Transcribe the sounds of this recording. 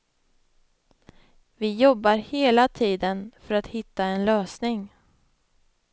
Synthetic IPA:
vɪjɔbːaɾheːlat̪ʰiːd̪ənfœɾat̪hɪt̪ːaɛnløːsnɪŋ

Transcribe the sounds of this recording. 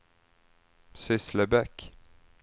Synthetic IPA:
sɪsləbɛk

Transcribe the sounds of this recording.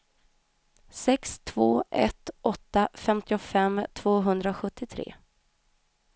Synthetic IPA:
sɛkst̪ʰv̥oːɛ̰t̪ʔɔt̪ːafɛmt̪ɪʊfɛmːt̪ʰv̥oːɦɵnd̪ɾaɧɵt̪ːɪt̪ʰɾḛː

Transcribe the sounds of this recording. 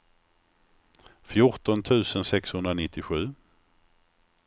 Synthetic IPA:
fjʊʈɔnt̪ʰʉ̟ːsənsɛkshɵnd̪ɾanɪt̪ːɪɧʉ̟ː

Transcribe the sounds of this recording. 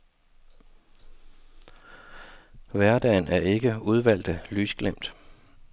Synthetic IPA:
ʋæɐd̥ɛ̰ːnæɐe̝ɡ̥əuð̞ˠʋæl̰d̥əlyːsɡ̥lem̰d̥

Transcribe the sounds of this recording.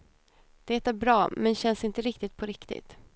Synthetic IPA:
d̪̥eːt̪æɾbɾɑːmɛnɕɛnsɪnt̪əɾɪkt̪ɪt̪̚pʰɔɾɪkt̪ɪ̰t̪

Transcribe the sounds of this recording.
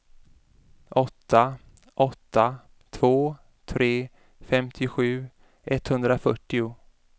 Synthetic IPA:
ʔɔt̪ːa | ʔɔt̪ːa | t̪ʰvoː | t̪ʰɾeː | fɛmt̪ʰɪɧʉ̟ː | ʔɛt̪hɵnd̪ɾafœʈːɪʊ

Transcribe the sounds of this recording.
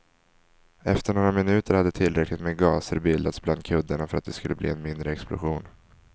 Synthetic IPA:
ɛft̪əɳoːɾamɪnʉ̟ːt̪əɾhad̪ːət̪ʰɪlːɾɛklɪt̪meːɡɑːsəɾbɪld̪at̪sbland̪̚kʰɵd̪ːəɳafœɾat̪̚d̪ɛskɵlːəblḭːɛnmɪnd̪ɾəɛksplʊ̰ɧuːn

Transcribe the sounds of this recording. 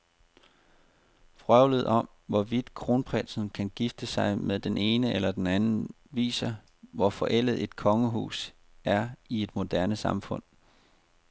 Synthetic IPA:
fʁœʊlð̩ˠɒ̽m | ʋɒʋid̥kʰʁo̝ːnpʰʁɛlsn̩kʰænɡ̥ifd̥əsɑ̈ɪmeðˠd̥ene̝ːnəʔelɐd̥enænn̩ | ʋḭːsɐ | ʋɒfɒ̽ʔel̰ð̩ˠe̝d̥kʰɒ̽ŋəɦṵːs | æɐie̝d̥mo̝d̥æɐnəsɑ̈mfɔ̽n̰

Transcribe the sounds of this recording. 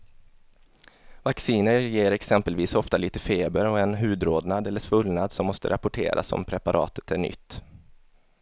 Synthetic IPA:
vaksiːnəɾjeːɾɛksɛmpəlviːsɔft̪aliːt̪əfeːbəɾɔɛnɦʉ̟ːd̪ɾoːd̪nad̪ɛlːəʂvɵlnad̪sɔmːɔst̪ə̰ɾapʊʈʰḛːɾʔa̰sɔ̰mpʰɾɛpaɾʔɑ̰ːt̪ə̥t̪æɳʏ̰t̪ː

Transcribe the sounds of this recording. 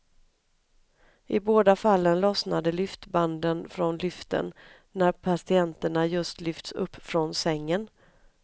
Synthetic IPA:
ʔɪboːd̪afalːənlɔsnad̪əlʏft̪band̪ənfɾɔnlʏft̪ə̰nː | æɾpʰasɪɛnt̪əɳajɵst̪lʏft̪sɵ̰pːfɾɔnsɛŋːən

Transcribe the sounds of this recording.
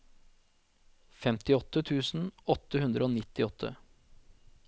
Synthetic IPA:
fɛmt̪ɪɔt̪ːət̪ʰʉːsn̩ɔt̪ːəhʉnd̪ɾəoːnɪt̪ɪɔt̪ʰːə̰

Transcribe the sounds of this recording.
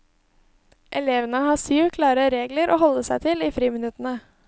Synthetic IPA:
ʔɛleːʋənəhɑːsyːʋkʰlɑːɾəɾeːɡləɾʔo̰ːhɔlːəsæɪt̪ʰɪliːfɾiːmɪnʉt̪ənə

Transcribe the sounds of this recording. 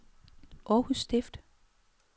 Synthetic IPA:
ʔɒːhusːd̥efd̥

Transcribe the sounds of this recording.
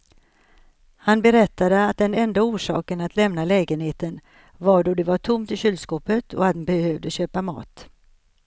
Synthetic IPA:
hanbɛɾɛt̪ʰːad̪əat̪̚d̪ɛnɛnd̪auːʂɑ̰ːkənat̪ʰlɛmnalɛːɡənheːt̪ən | vaɖɔd̪ɛvaʈʰʊmt̪ɪɕʏld̪skɔːpət̪ʰɔ̰at̪̚d̪ɛbɛhøːvd̪əɕøːpamɑ̰ːt̪

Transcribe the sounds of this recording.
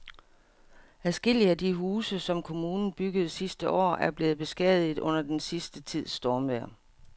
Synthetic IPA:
æsɡ̥e̝l̰iəæd̥iɦuːsəsɒ̽mkʰo̝muːnn̩b̥yɡ̥əð̞̩ˠsisd̥əʔɒ̰ːæɐb̥le̝ːð̞̩ˠb̥e̝sɡ̥ɛ̰ðˠið̩ˠɔ̽n̰ɐd̥ensisd̥ət͡sʰið̞̰ˠsd̥ɒːmʋæɐ̰

